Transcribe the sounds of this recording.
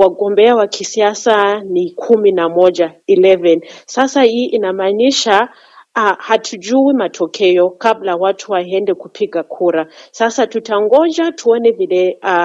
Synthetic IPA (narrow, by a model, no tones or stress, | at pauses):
waɡɔmbɛawakʰisiasanikʰuminamɔd͡ʒailɛvɛnsasaiʔinamaniʃa | hatʰud͡ʒuwimatʰɔkʰɛjɔkablawatʰuwaɛndɛkupʰiɡakʰuɾasasatutʰaŋɡɔd͡ʒatʰuɔnɛvilɛa